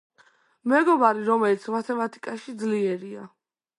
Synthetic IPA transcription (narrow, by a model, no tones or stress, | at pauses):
mɛɡɔbaɾiɾɔmɛlit̪sʰmat̪ʰɛmat̪ʰi̥kʼaʃid̪zliɛɾia